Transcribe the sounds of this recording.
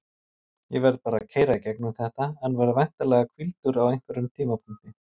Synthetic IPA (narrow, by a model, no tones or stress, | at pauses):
jɛvɛɾðpaːɾa̰ðcʰeːjɾaicɛknʏmθɛht̪ahanːvɛɾðvajn̥t̪alɛːɣakʰvilt̪ʏɾawejŋ̥kvʏɾʏmt̪ʰiːmapʰuŋ̥t̪ɪ